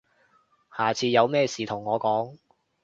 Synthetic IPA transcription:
haː˨t͡sʰiː˧jɐ˨˧wmɛː˥siː˨˩t̪ʰʊ˨˩ŋːɔː˨˧kɔː˨˥ŋ

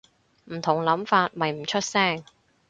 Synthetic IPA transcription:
m̩˨˩t̪ʰʊ˨˩ŋlɐ˨˥mfaː˧t̚mɐ˨jm̩˨˩t͡ʃʰɵ˥t̚sɛː˥˩ŋ

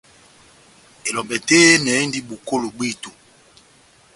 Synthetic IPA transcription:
e˨lɔ˨mbɛ˨te˦nɛ˨˦e˦ndi˦ɓu˨ko˦lo˨ɓi˦˨tu˨

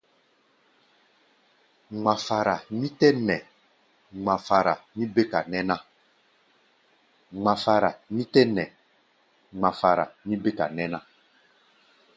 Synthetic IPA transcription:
ŋ͡mã˨fa˨ɾa˨mĩ˦tɛ˦nɛ̃˨ | ŋ͡mã˨fa˨ɾa̰˨mĩ˦be˦ka˨nɛ̃˦nã˦ | ŋ͡mã˨fa˨ɾa˨nĩ˦tɛ˦nɛ̃˨ | ŋ͡mã˨fa˨ɾa̰˨mĩ˦be˦ka̰˨nɛ̃˦nã˦

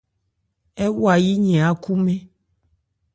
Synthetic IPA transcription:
e˦wu˦a˨ji˦ɲẽ˨a˨ku˦mẽ˦

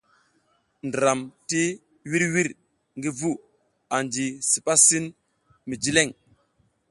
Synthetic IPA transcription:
ndɾa˨mti˦ | wi˦ɾwi˦ɾ | ŋɡi˦vu˦ | a˨nd͡ʒi˨si˨pa˦si˦n | mi˨d͡ʒi˦le˦˨ŋ

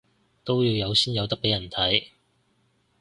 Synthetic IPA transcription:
t̪o˥wjiː˧wjɐ˨˧wsiː˥njɐ˨˧wt̪ɐ˥k̚pe˨˥jɐ˨˩nt̪ʰɐ˨˥j

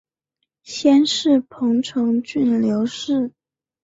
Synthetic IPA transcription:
ɕjɛ˥nʂɻ̩˥˩pʰɤ˧˥ŋʈ͡ʂʰɤ˧˥ŋt͡ɕy˥˩nljo˧˥ʊʂɻ̩˥˩

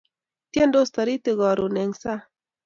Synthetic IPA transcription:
t̪je˦ndo˦st̪ɔ˨ɾi˦t̪ɪ˨ɡɔ˨ɾo˨ne˨ŋsa˦

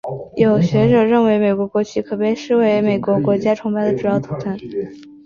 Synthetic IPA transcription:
jo˨˩ʊɕɥɛ˧˥ʈ͡ʂɤ˨˩ɻə˥˩nwe˧˥ɪme˨˩kwɔ˧˥kwɔ˧˥t͡ɕʰy˧˥kʰɤ˨˩pe˥˧ɪʂɻ̩˥we˧˥ɪme˨˩ɪkwɔ˧˥kwɔ˧˥t͡ɕja˥ʈ͡ʂʰʊ˧˥ŋpa˥ɪd̪ə˩ʈ͡ʂu˨˩jɑ˥˩ʊt̪ʰu˨˩t̪ʰa˥˩n

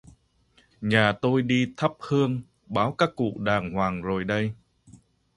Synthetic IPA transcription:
ɲaː˨˩t̪o˧jɗi˧t̪ʰə˦˥p̚hɨ˧əŋ | ɓaː˨˦wkaː˦˥kːṵ˧˨ɗaː˨˩ŋhwaː˨˩ŋzo˨˩jɗə˧j

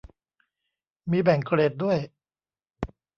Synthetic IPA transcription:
miː˧bɛ˨˩ŋkʰɾeː˨˩t̪̚du˥˩əj

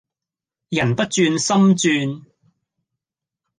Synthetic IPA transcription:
jɐ˨˩npɐ˥t̚t͡ʃyː˧nsɐ˥mt͡ʃyː˧n

